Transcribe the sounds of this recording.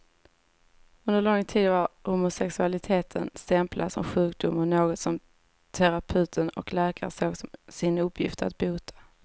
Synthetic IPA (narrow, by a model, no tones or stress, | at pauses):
ɵnd̪əɾlɔŋːt̪ʰiːd̪vaɾhʊmʊsɛksɵalɪt̪ʰeːt̪ʰənst̪ɛmpladsɔ̰mɧʉ̟ːkd̪ʊmːanoːɡɔt̪sɔm | t̪ʰæɾapʰʉ̟ːt̪ʰənɔ̰klæːkaɾəsoːɡsɔsɪnɵpʰːjɪ̰ft̪a̰t̪̚buːt̪ʰḁ